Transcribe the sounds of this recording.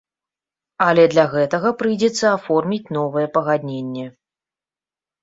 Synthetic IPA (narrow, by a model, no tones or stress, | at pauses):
ɐlʲɛd̪lʲaɣɛt̪ɐɣɐpɾɨjd͡zʲɛt̪sːɐafɔrmʲit͡sʲnɔvɨjɛpɐɣad̪ʲnʲenʲːɛ